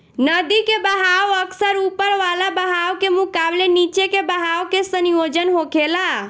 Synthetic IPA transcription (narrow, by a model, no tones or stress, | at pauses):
nəd̪ikebəɦaʋəksəɾupəɾʋalabəɦaʋkemũkablenit͡ʃekebəɦaʋkesənijod͡ʒənɦokʰela